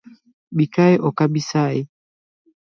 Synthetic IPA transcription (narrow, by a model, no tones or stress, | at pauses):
ɓikaɛʔɔkaɓisaɛ